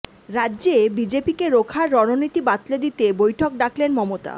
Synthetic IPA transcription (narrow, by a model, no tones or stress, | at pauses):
ɾad̪ːʑebid͡ʑepikeɾokʰaɾːɔnonit̪ibat̪led̪it̪ebojʈʰok̚ɖaklenmɔmot̪a̰